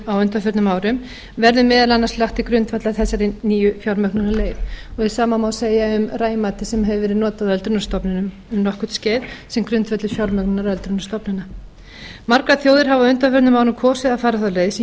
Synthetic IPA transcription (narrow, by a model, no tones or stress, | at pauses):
awʏnt̪afœɾt̪nʏmaːwɾʏm | vɛɾðʏmɛːðalanːaɾslaxt̪ikɾʏnt̪fɛt̪laθɛsːaɾɪniːjʏfjawɾmœknʏnaleːjvɔɣɛ̥saːmamaːwðseːjaʏmraːjmaːt̪ɪsɛmɦɛvʏvɛːɾɪðnɔːt̪aðœlt̪ɾʏnast̪ɔpnɪnʏm | ʏmnɔhkʏ̥t̪scɛːðsɛmkɾʏnt̪fɛt̪lɪɾfjawɾmœknʏnaɾœlt̪ɾʏnast̪ɔpnɪnːa | maɾkɾaθjoːwðɪɾ̥ɦavawʏnt̪afœɾt̪nʏmaːwɾʏmkʰɔːsɪðaðfaːɾaθawleːðs